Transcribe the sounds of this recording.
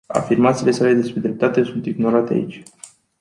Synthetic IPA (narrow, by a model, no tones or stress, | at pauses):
a̰firmat̪siːle̞sale̞d̪e̞spɾe̞d̪ɾe̞p̚t̪at̪e̞sunt̪iɡno̞ɾat̪ea̰it͡ʃʲ